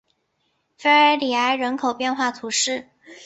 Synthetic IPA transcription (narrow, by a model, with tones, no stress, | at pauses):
fe˥ɪə˞˧˥li˨˩a˧˥ɪɻə˧˥nkʰo˨˩ʊpjɛ˥˧nxwa˥˩t̪ʰu˧˥ʂɻ̩˥˩